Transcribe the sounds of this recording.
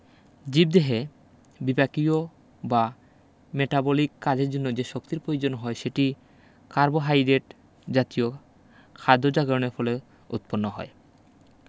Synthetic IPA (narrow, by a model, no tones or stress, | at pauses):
d͡ʑib̚d̪eɦe | bibakio | ba | meʈabolikːad͡ʑeɾd͡ʑonːod͡ʑeʃokt̪iɾpɾojed͡ʑonɦɔeʃeʈi | kaɾboɦajɾeʈ | d͡ʑat̪io | kʰad̪ʱːod͡ʑaɡɾoneɾfole | ṵt̪̚ponːoɦɔ̰e